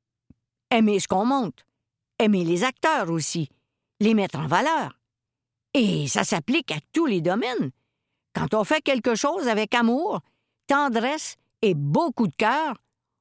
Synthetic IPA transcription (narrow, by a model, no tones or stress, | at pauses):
ɛmesə̥kɔ̃mɔ̃t̪ | ɛmelezak̚t̪œːʁosi | lemɛt̪ʁɑ̃valœːʁ | esa̰saplɪkat̪uled̪ɔmɛn | kɑ̃t̪ɔ̃fɛkʲɛlkəʃoːzavɛkamuːʁ | t̪ɑ̃d̪ʁɛs | ebokud̪əkʲœːʁ